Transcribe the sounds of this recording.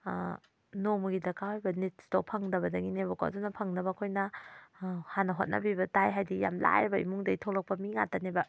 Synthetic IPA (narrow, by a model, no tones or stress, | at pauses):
nomɡidɐkawajbɐnit̚si̥towpʰɐŋdɐbɐdɐɡinebɐka̰dunɐpʰɐŋnɐbɐːkʰojnɐ | hanɐɦot̚nʔɐ̰bibɐtajɦajdija̰mla̰ebɐḭmuŋdɐitʰolɐk̚pɐmiŋa̰tanebɐ